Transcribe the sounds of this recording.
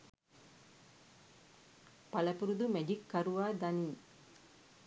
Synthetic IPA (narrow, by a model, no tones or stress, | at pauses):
palɐpuɾud̪umed͡ʒikːaɾuʋaːd̪aniŋ